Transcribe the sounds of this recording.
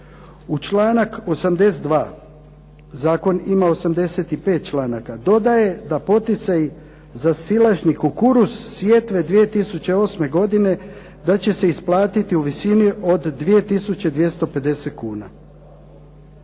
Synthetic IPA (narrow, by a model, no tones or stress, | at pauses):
ut͡ʃlˠaːnako̞samd̪e̞sed̪ʋaː | zaːko̞nimao̞samd̪e̞se̞t̪ipe̞ːt̪̚t͡ʃlaːnakad̪o̞d̪aje̞d̪apo̞t̪it̪saj | zasilˠaʒnikukuɾussʋje̞t̪ʋe̞d̪ʋije̞t̪isut͡ɕe̞o̞ːsme̞ɡo̞d̪ine̞ | d̪at͡ɕe̞se̞isplˠaːt̪it̪iuʋisiniʔo̞d̪ːʋije̞t̪isut͡ɕe̞d̪ʋje̞st̪o̞pe̞d̪e̞se̞t̪̚kuːna